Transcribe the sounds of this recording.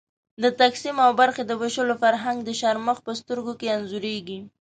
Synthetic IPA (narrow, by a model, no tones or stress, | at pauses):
d̪ət̪aksimawbaɾxed̪əwaʃəlofaɾɦaŋɡd̪əʃaɾməxpəst̪əɾɡokeanzuɾeɡi